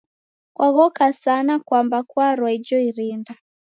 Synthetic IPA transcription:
kwʔaɣɔkasanakwambakwaɾwaid͡ʒɔiɾinda

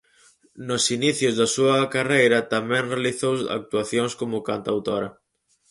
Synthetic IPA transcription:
nosiniθjʊzðɐsuɐkarejɾɐt̪amɛ̃ŋrealiθowsa̰k̚t̪uaθjoŋskomʊkant̪awt̪oɾɐ

